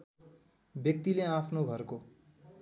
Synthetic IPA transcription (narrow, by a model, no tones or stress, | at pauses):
bjʌk̚t̪ileapʰnoɡʱʌɾko